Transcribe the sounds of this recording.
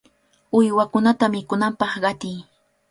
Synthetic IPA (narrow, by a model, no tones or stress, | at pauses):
ʊjwakʊnat̪amɪkʊnampɑχɢɑt̪ɪj